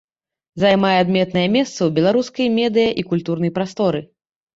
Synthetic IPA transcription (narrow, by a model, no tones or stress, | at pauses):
zajmajɛad̪mʲɛt̪nɐjɐmʲɛst̪sɐwbʲɛlˠaɾuskɐjɐmʲɛd̪ɨjɐʔikulʲt̪urnɐjpɾast̪ɔɾɨ